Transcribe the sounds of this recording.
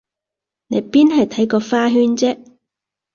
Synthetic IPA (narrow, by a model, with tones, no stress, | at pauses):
ne˨˧jpiː˥nɦɐ˨jt̪ʰɐ˨˥jkɔː˧faː˥ɦyː˥nt͡sɛː˥